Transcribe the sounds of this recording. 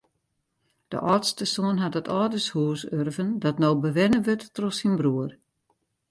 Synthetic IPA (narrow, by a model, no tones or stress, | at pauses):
d̥ə̰ʔɔːtstəsoənɦatətʰɔːdəshuːsørvəndɔtnowbəʋɪnəʋøtːrɔsinbruər